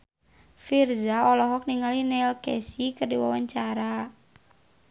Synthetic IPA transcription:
firzaɔlɔɦɔk̚niŋalinɛlkɛsikərdiwawaɲt͡ʃaɾa

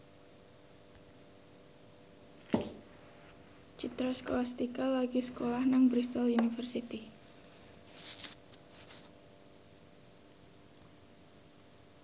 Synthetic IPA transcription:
t͡ʃut̪ɾɔskolast̪ikalaɡisə̥kolahnaŋbɾist̪ɔlunifərsit̪i

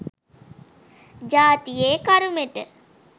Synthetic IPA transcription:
d͡ʒaːt̪ijeːkaɾumeʈə

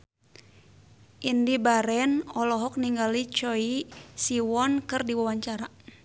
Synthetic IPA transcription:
ʔindibaɾɛnɔlɔɦɔk̚niŋɡalit͡ʃɔisiwɔnkɨrdiwawaɲt͡ʃaɾa

